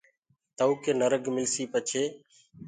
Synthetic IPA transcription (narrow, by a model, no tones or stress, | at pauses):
t̪əuːkeːnəɾəɡmɪlsiːpət͡ʃʰeː